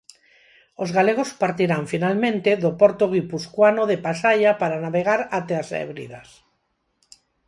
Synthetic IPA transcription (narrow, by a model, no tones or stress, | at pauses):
ozɣaleɣ̞ospaɾt̪iɾaɱfinalmẽnt̪eðopoɾt̪oɣ̞ipuskwanoðepasaʎapaɾanaβeɣ̞aɾat̪easḛβɾḭðas